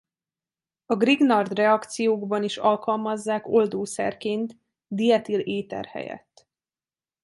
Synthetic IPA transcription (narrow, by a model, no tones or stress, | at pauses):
ɒɡriɡnɒrd̪rɛɒkt̪sijoːɡbɒniʃɒlkɒlmɒzːaːko̞ld̪oːsɛ̰rkeːnt̪ | d̪ijɛt̪ileːt̪ɛ̰rhɛ̰jɛ̰t̪ː